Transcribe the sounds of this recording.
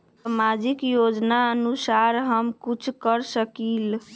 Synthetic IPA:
əmad͡ʒikjod͡ʒnaənusaɾɦəmkut͡ʃʰkəɾsəkil

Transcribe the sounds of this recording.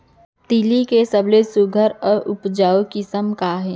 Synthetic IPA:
t̪ilikesəblesuɡʱəɾɔːɾʊpd͡ʒaːokɪsəmkaɦɛː

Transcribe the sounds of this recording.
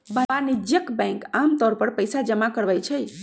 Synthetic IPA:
baanid͡ʒjəkbɛ̃ŋkamt̪ɔɾpəɾpəjsad͡ʒəmakəɾbəjt͡ʃʰəj

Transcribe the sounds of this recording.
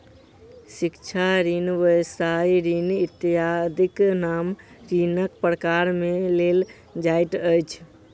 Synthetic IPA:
sikt͡ʃʰaɾinʋəjsaiɾinit̪ad̪iknam | ɾinəkpɾəkaɾmelel | d͡ʒajʈəjt͡ʃʰ

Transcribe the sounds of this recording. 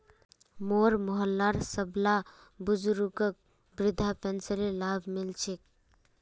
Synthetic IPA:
moːɾmʊɦəlːaːɾsəbla | bʊd͡ʒɾukək̚ | bɾɪd̪ʱapɛnsəɾelaːbʱmɪlt͡ʃʰik̚

